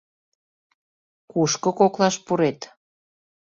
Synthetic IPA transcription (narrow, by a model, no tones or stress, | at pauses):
kuʃkɤ̆koklɑʃpuɾet̪